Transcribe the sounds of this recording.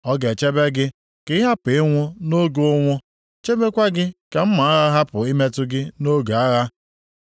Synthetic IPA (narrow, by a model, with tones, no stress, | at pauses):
ɔ˦ɡe˨t͡ʃe˦be˦ɡɪ˦ | kɪ˦ɦa˦pɪ˨ɪ˦ŋʷʊ˦no˦ɡo˦ŋʷʊ˦ | t͡ʃe˦be˦kʷa˦ɡɪ˦ka˨m̩˦ma˨a˦ɣa˦ɦa˦pʊ˨i˦me˦tʊ˦ɡɪ˦no˦ɡa˦ɣa˦